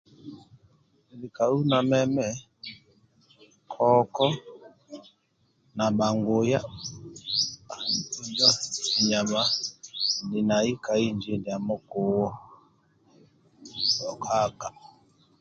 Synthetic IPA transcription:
li˨ka˨u˦na˨mɛ˦mɛ˦ | kʰɔ˦kɔ˦ | na˨ba˨ŋɡo˨ja˦ | a˨i˨u˦d͡ʒa˦i˨ɲa˨βa˦ | ndi˨na˨i˦ka˨i˦nd͡ʒe˨˦di˨a˨mɔ˦ko˨wɔ˦ | ɔ˨kʰa˦˨ka˨

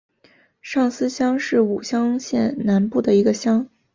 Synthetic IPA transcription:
ʂɑ˥˩ŋsɹ̩˥ɕjɑ˥ŋʂɻ̩˥˩u˨˩ɕjɑ˥ŋɕjɛ˥˩nna˧˥npu˥˩d̪ə˩i˧˥ɡə˧ɕjɑ˥ŋ

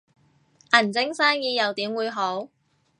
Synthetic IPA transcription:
ʔɐ˨˩nt͡sɪ˥ŋsaː˥ŋjiː˨˧jɐ˨˧wt̪iː˨˥mwuː˨˧jɦo˨˥w

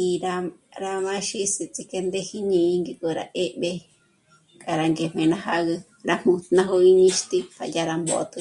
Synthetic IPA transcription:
i˧ɾa˧ɾa˧mã˦ʃi˦si˧t͡si˧ke˧nd̪e˦hi˦ɲĩ˧ŋɡi˧ko˧ɾa̰˧˨ʔe˦ʔɓe˧ | kʼa˨ɾa˧ŋɡe˨m̥ẽ˨nã˦ha˦ɣɨ˧ | ɾa˧m̥ũ˧t̪nã˦ɦo˧i˧ɲĩ˧ʃt̪i˦pa̰˨ja˧ɾa˧mbo̰˨˧t̪ɨ˧

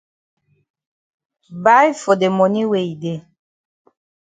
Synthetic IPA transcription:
ba˦jfo˨de˨mɔ˨ni˦we˨i˨de˨

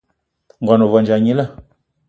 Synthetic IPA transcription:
ŋ̩˨ɡɔ˨no˨vɔ˨nd͡ʒa˨ɲi˦la˦˨

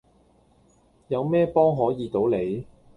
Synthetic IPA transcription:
jɐ˨˧wmɛː˥pɔː˥ŋɦɔː˨˥jiː˨˧t̪o˨˥wle˨˥j

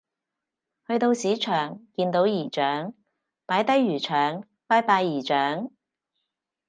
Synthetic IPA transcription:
hɵ˧ɥt̪o˧wsiː˨˥t͡ʃʰœː˨˩ŋkiː˧nt̪o˨˥wjiː˨˩t͡ʃœː˨˥ŋ | paː˨˥jt̪ɐ˥jːyː˨˩t͡ʃʰœː˨ŋ | paː˥jpaː˧jːiː˨˩t͡ʃœː˨˥ŋ

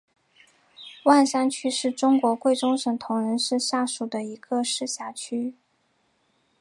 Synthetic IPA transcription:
wa˥˩nʂa˥nt͡ɕʰy˥ʂɻ̩˥˩ʈ͡ʂʊ˥ŋkwɔ˧˥kwe˥˩ɪʈ͡ʂʊ˥ŋʂɤ˨˩ŋt̪ʰʊ˧˥ŋɻə˧˥nʂɻ̩˥˧ɕja˥˩ʂu˨˩d̪ə˦i˧˥ɡ̥ə˧ʂɻ̩˥˩ɕja˧˥t͡ɕʰy˥

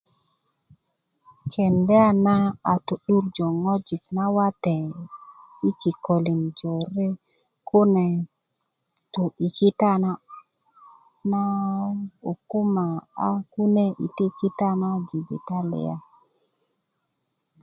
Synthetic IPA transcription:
kʰe˨ndɛ˦a˦na˦a˨tu˨ɗu˦ɾd͡ʒo˨ŋo˦d͡ʒi˨kna˦wa˦te˨ | i˦ki˨ko˨li˨nd͡ʒo˨ɾe˦ | ku˦ne˨ | tu˨i˨ki˦ta˦na˦ | na˦ | u˨ku˦ma˨a˦ku˦ne˦ʔḭ˨ti˦ki˦ta˦na˦d͡ʒi˨vḭ˨ta˦lḭ˨a̰˦˨

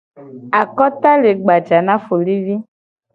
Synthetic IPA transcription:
a˨kɔ˦t̪a˦le˨ɡ͡ba˨d͡ʒa˨nã˦fo˨li˦vi˦

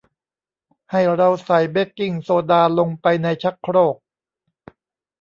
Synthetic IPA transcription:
ha˥˩jɾa˧wsa˨˩˦jbe˦˥kːi˥˩ŋsoː˧daː˧lo˧ŋpa˧jna˧jt͡ɕʰa˦˥kʰɾoː˥˩k̚

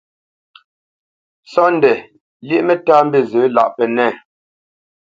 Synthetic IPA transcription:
sɔ˦n˨dɛ˨ | li˦ʔmɛ˦taː˦m̩˦be˦˨zə˨˦la̰˨ʔpɛ˨nɛ˦˨

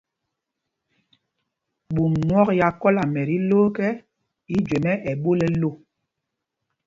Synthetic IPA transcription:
ɓu˨mnwɔ˦kja˨kɔ˦la˨mɛ˨ɾi˦loː˦kɛ˦ | i˦d͡ʒwe˨mɛ˦ʔɛ˨ɓo˦lɛ˦lo˦˨

